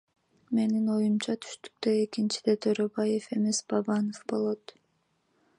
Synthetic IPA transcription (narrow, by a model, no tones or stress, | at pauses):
me̞nino̞jumt͡ʃɑt̪ʰy̥ʃt̪y̥k̚t̪øekint͡ʃid̪e̞t̪ʰøɾøbɑje̞fe̞me̞sbɑbɑnofbo̞lˠo̞t̪